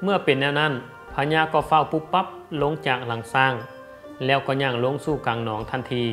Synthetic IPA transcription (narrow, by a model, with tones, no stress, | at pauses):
mɯ˧˩ɐpe˨nːɛː˧˩˨wna˧˥˨n | pʰa˧ɲaː˧˨kɔː˧˩fa˧˩˨wpu˧˩pːa˧˥p̚lo˧˥˨ŋt͡ɕaː˨˩k̚la˨˩ŋsaː˧˥˩ŋ | lɛː˧˩wkɔː˧˩ɲaː˧˩ŋlo˧˥˨ŋsuː˧˩kaː˨˩ŋnɔː˨˦ŋt̪ʰa˧˥˨nt̪ʰiː˧˩